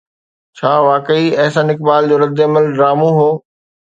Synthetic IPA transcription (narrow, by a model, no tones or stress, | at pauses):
t͡ɕʰaːʋaːkəiɐɦsãːnɪk̚baːld͡ʑoːɾɐd̪ɪɐməlɖɾaːmũɦoː